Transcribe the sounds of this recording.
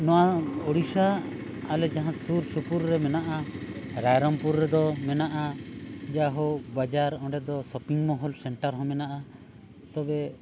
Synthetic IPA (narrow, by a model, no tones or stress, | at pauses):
nɔwaoɽisaː | lɛd͡ʒaɦãsuɾsupuɾɾɛmɛnaʔaɾajɾɔmpuɾːɛd̪ɔmɛnaʔad͡ʒaɦɔbad͡ʒaɾɔ̃ɖɛd̪ɔsɔpiŋmɔɦɔlsɛɳʈaɾɦɔ̃mɛnaʔa | t̪ɔbɛ